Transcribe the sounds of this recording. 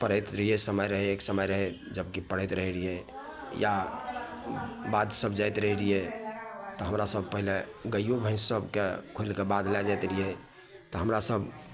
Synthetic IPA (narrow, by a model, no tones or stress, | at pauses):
pəɽ̤ət̪ɾəɦiesəməjɾəɦeeksəməjɾəɦe | d͡ʒəbkipəɽ̤ət̪ɾəɦɛɾije | ja | bad̪səbd͡ʒajt̪ɾəɦɛɾije | t̪ɔɦəmɾasəb̚pəɦileɡəjjobʱə̃ɪ̃ssəbkekʰulkebad̪lɛd͡ʒajt̪ɾie | t̪ɔɦəmɾasəb